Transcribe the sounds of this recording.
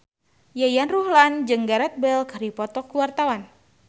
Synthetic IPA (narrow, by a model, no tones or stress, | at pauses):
jajanruhland͡ʒɨŋɡaɾat̪̚bɛlkɾipɔt̪ɔkuwart̪awan